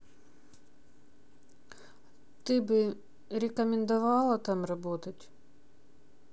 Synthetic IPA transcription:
t̪ɪbɨ | ɾʲɪkɐmʲɪnd̪ɐʋɑlˠɐt̪ɑmrɐbot̪ɐtʲ

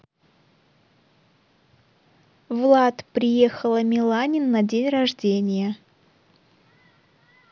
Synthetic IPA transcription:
vlˠat̪pɾʲɪjexəlˠəmʲɪlˠanʲɪnːɐdʲenʲrɐʐdʲenʲɪjə

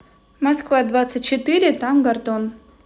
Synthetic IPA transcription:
mɐskvad̪vat̪sɨt̚ʲt͡ɕːɪt̪ɨɾʲɪt̪amɡɐrt̪on

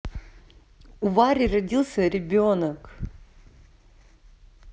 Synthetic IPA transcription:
ʊvaɾʲɪrɐdʲilˠsʲəɾʲɪbʲonək

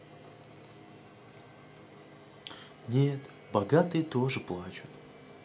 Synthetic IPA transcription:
nʲet̪ | bɐɡat̪ɨjət̪oʐɨplˠat͡ɕʊt̪

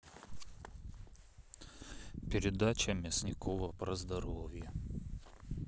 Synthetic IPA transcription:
pʲɪɾʲɪd̪at͡ɕəmʲɪsʲnʲɪkʰovəpɾɐzd̪ɐɾovʲjə

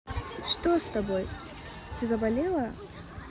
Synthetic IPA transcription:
ʂt̪ost̪ɐboj | t̪ʲɪzɐbɐlʲelˠə

